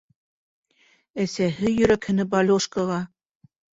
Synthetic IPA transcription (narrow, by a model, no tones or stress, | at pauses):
æsæɦɘjɵ̆ɾækhɘ̆nɘbɑlʲoʃkɑʁɑ